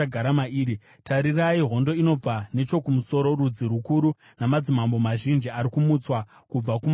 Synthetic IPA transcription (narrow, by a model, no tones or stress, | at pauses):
aɡʱaɾamaiːɾi | taɾiraiɦo̞ndo̞ino̞b͡vane̞t͡ʃo̞kumuso̞ɾo̞ɾud͡ziɾukuɾu | namad͡zimambo̞maʒind͡ʒiaɾikumut͡swa | kub͡vakum